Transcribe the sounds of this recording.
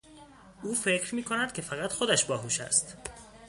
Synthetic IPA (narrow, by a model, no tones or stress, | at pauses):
ʔuːfe̞cʰɾmiːkʰonæd̪̥̚kʲʰe̞fæɣæt̪xod̪æʃbɒːɦuːʃæ̰st̪